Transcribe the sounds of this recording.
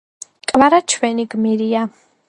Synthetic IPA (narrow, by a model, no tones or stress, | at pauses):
kʼvaɾat͡ʃʰwɛniɡmiɾia